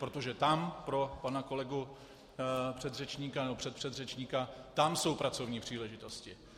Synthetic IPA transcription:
pɾo̞t̪o̞ʒɛt̪ampɾo̞panako̞lɛɡu | pr̝̥ɛd̪rɛt͡ʃɲikanɛbopr̝̥ɛt̪̚pr̥ɛd̪rɛt͡ʃɲikat̪amso̞wpɾʔat͡so̞vɲiːpr̝̥iːlɛʒɪt̪o̞scɪ

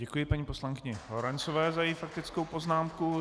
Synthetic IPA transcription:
ɟɛkujɪpaɲipo̞slaŋkɪɲɛloɾɛnt͡sovɛːzajɛjifak̚t̪ɪt͡skowpo̞znaːmku

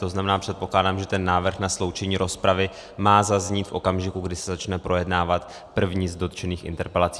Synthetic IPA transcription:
t̪o̞znamɛnaːpr̥ɛt̪̚po̞klaːdaːmʒɛt̪ɛnːaːvr̩xnaslo̞wt͡ʃɛɲiːɾo̞spɾavɪ | maːzazɲiːt̪fʔo̞kamʒɪkuɡdɪsɛzat͡ʃnɛpɾo̞jɛdnaːvat̪ | pr̩vɲiːzdo̞t̪t͡ʃɛniːxʔɪ̰nt̪ɛɾpɛlat͡si̥

